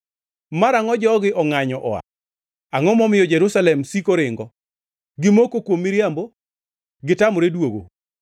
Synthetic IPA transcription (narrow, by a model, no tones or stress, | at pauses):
maɾaŋɔd͡ʒɔɡɪʔɔŋaɲɔʔɔa̰ | aŋɔmɔmɪjɔd͡ʒɛɾusalɛmsikoɾɪŋɡɔ | ɡɪmokokwomːɪɾjambo | ɡɪtamɔɾedwoɡo̰